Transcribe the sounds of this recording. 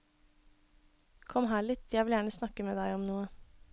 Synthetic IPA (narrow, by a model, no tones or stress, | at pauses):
kʰɔmɦæːɭɪt̪jæɪʋɪljæːɳəsnɑkəmeːd̪æɪɔmnuːə